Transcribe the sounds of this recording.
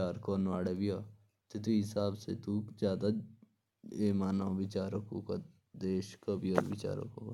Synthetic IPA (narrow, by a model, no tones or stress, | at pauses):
aːɾkoːnʋaːɽebijaː | t̪et̪̬uɦɪsaːbset̪ud͡ʒjaːd̪a | eːmaːnaʋɪt͡ʃaːɾəkoːka | d̪eːʃkabioɾʋɪt͡ʃa̰ːɾə̰koka